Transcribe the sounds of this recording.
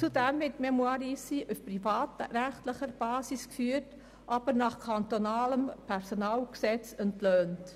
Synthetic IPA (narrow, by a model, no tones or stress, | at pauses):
t͡sudɛmvɪtmɛmwɑɾisiʔufpɾifɑːt̪əɾæχtləχəɾb̥ɑːsiskfyːət | ʔɑb̥əɾnɑχkʰɑnt̪onɑːləmpʰɛɾsonɑːlksɛt͡səntløːnt